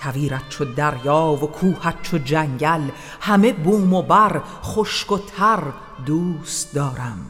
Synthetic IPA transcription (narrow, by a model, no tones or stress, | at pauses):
t̪ʰæviːɾæt̪̚t͡ʃʰod̪æɾjɒːvokʰuːhæt̪̚t͡ʃʰod͡ʒæŋɟæl | hæme̞buːmobæɾ | χoʃkot̪ʰæɾ | d̪uːst̪d̪ɒːɾæm